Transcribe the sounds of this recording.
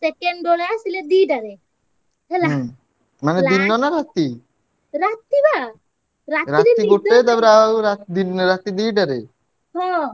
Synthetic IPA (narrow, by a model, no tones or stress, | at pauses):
sekeɳɖoɽeasiled̪iɖaɾe | ɦela | maneinːɔnaɾat̪i | ɾat̪ːiba | ɾatɾaitd̪iiɡoʈːed̪abɾawɾat̪d̪inɾat̪ːid̪iːʈaɾe | ɦɔ̃